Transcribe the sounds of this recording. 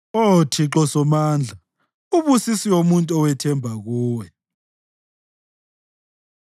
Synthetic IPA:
otʰiǃɔsɔmaːnd͡ɮʱa | uβusisiomuntʼuɔwɛtʰɛmbʱaɣuːwɛ

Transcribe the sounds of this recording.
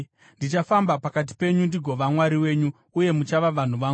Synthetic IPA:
ndit͡ʃafambapakat̬i̥pe̞ɲundiɡʱo̞ʋamwaɾiwe̞ːɲu | uje̞mut͡ʃaʋaʋan̤uʋa

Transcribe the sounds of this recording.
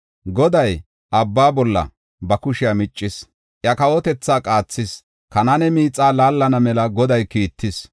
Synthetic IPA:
ɡɔd̪ɐj | ʔɐbːaːbɔlːɐ̰ | bɐkʊʃɪjamɪt͡ʃʼːɪs | ʔjɐkɐwɔt̪ɛt͡sːaːkʼaːt͡sːɪs | kɐnɐnɛmiːt͡sʼːaːlaːlːɐnɐmɛlɐɡɔd̪ɐjkiːt̪ːɪs

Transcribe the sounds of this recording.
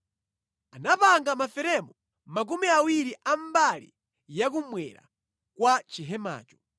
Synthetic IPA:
anapaŋɡamafɛɾɛmɔ | mak̬umiawiɾiʔambalḭ | jak̬umwɛɾa̰ | kwat͡ʃiɦɛma̰ːt͡ʃɔ̥

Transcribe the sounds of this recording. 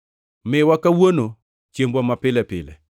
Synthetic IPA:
mɪwakawono | t͡ʃembwamapɪlɛpɪ̰lɛ̰

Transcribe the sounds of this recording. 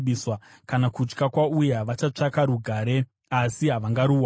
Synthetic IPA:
ɓiswa | kanakut͡ʃkakwaujaʋat͡ʃat͡ʂakaɾuɡʱaːɾe̞ | asiɦaʋaŋɡaɾuːa

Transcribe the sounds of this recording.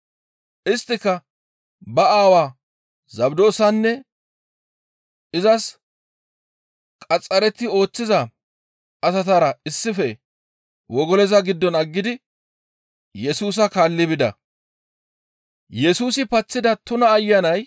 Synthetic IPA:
ʔɪst̪ːɪkːɐ | bɐaːwaː | zɐbd̪o̞ːsɐnːɛ | ɪzɐs | kʼɐt͡sʼːɐɾɛt̪ɪo̞ːt͡sːɪzɐ | ɐsɐt̪aːɾɐɪsːɪfɛ | wɔɡɔlɛzɐɡɪd̪ːɔnɐɡːɪd̪ɪ | jɛsuːs̬ɐkaːlːɪbɪd̪ɐ̰ | jɛsuːsɪpɐt͡sːɪd̪ɐt̪ʊnɐːjːɐnɐj

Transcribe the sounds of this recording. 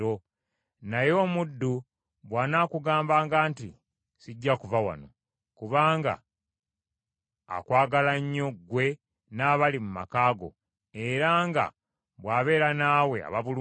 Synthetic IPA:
o̞ | najo̞ːmudːu | βwaːnaːkuɡaːmbaːŋɡaːntḭ | siɟːakuvawa̰no̞̰ | kuβaːŋɡa̰ | kwaːɡalaɲːo̞ɡwe̞ | naːβalimuma̰kaːɡo̞̰ | e̞ɾaːŋɡa̰ | βwaːβe̞ːɾanaːwe̞a̰βaβulu

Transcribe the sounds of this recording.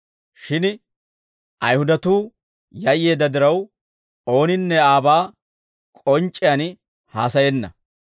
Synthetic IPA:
ʃɪn | ʔɐjhʊd̪ɐt̪uː | jɐjːe̞ːd̪ːɐd̪ɪɾɐw | o̞ːnɪnːɛaːbaː | kʼɔnt͡ʃʼːɪjɐn | haːsɐjɛnːɐ̰

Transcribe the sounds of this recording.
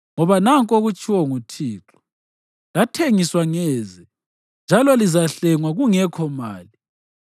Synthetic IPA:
ŋɔβanaŋkʼoɣut͡ʃʼiwɔŋutʰiːǁʰɔ̥ | latʰeŋiswaŋɛzɛ | nd͡ʒʱalɔlizaɬɛŋwaɣuŋɛkʰɔma̰ːli

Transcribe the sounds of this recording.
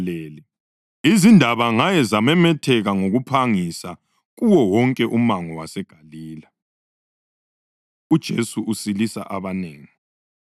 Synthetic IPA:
leːli | izindʱaβaŋajɛzamɛmɛtʰɛɣaŋoɣupʰaŋisa | ɣuwɔwɔŋkʼɛʔumaŋɔwasɛɡ̥ʱaliːla | ud̥ʒ̥ʱesuʔusilisa̰ʔaβaneːŋi

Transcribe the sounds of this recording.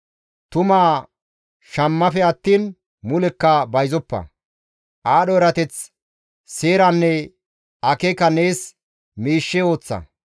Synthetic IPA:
t̪ʊmaː | ʃɐmːɐfɛɐt̪ːiːn | mʊlɛkːɐbɐjzɔpːɐ̰ | ʔaːɗɔɾɐt̪ɛt͡s | se̞ːɾɐnːɛ | ɐkekːɐne̞ːs | miːʃːɛo̞ːt͡sːɐ̰

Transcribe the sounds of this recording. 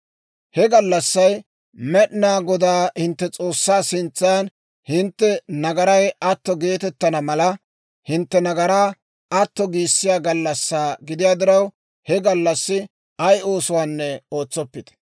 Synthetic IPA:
hɛɡɐlːɐsːɐj | mɛɗɪnaːɡɔd̪aːhɪnt̪ːɛt͡sʼo̞ːsːaːsɪnt͡sːɐjɐn | hɪnt̪ːɛnɐɡɐɾɐjɐt̪ːɔɡe̞ːt̪ɛt̪ːɐnɐmɐlɐ | hɪnt̪ːɛnɐɡɐɾaː | ɐt̪ːɔɡiːsːɪjaːɡɐlːɐsːaːɡɪd̪ɪjaːd̪ɪɾɐw | hɛɡɐlːɐsːɪ | ɐjo̞ːsʊwaːnːɛo̞ːt͡sːɔpːɪd̪̥ɐ̥

